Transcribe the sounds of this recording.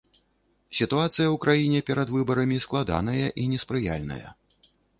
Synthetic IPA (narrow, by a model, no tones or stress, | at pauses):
sʲit̪uat̪sɨjɐwukɾʔajinʲɛpʲɛɾɐd̪vɨbɐɾɐmʲisklˠad̪a̰n̪ɐjɐʔinʲɛspɾɨja̰lʲnɐ̰jɐ̰